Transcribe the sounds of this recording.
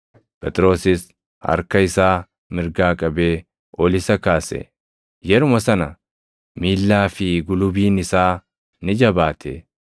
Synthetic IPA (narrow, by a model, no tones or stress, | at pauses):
pʼɛt̪ʼɪɾo̞ːsɪs | hɐ̰ɾkɐɪsaː | mɪɾɡaːkʼɐbe̞ː | ʔɔlɪsɐkaːsɛ̰ | jɛɾʊmɐsɐnɐ | miːlːaːfɪɡʊlʊbiːnɪsaː | nɪd͡ʒɐbaːt̪ʰɛ̰